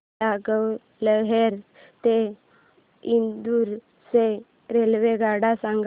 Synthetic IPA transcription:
aɡəw | ləɦeɾ | t̪e | ind̪uɾ | se | ɾelʋeɡaɽasaŋɡ

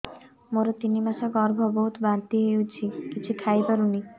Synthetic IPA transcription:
moɾot̪inimasaɡɔɾbʱɔboɦut̪bant̪iɦewt͡ɕʰikit͡ʃʰikʰajpaɾuni

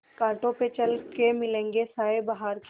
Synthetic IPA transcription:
kãːʈõpet͡ʃɐlkemɪlẽːŋɡesaːebaɦaːɾk

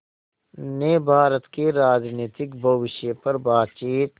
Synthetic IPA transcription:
neːbʱaːɾət̪keɾaːd͡ʒniːt̪ɪkbʱɐʋɪʃjəpɐɾbaːd̪̚t͡ʃiːt̪

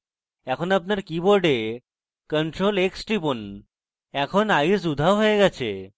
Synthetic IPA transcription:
ɛkʰɔnapnaɾkiboɾɖe | kəɳʈɾoleksʈipon | ɛkʰonajs̬ud̪ʱawɦojeɡɛt͡ɕʰe

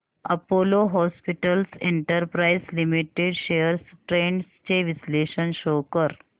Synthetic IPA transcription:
əpoloɦɔspiʈəlseɳʈəɾpɾaislimiʈeɖɕeəɾsʈɾeɳɖst͡ɕeʋisleɕənɕokəɾ

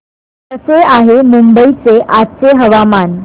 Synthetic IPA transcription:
t̪əseaɦemumbəit͡seʔatt͡seɦəʋaman

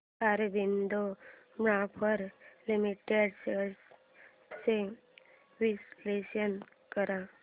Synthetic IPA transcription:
aɾbʱind̪omɽãpʰəɾlimiʈeɖseɾɽs | se | ʋislesən | kəɾa

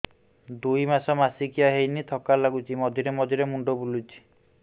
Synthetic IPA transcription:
d̪ujmasɔmasikijaɦejnit̪ʰɔkalaɡut͡ʃʰimɔd̪ʱiɾemɔd̪ʱiɾemuɳɖɔbulut͡ʃʰi̥

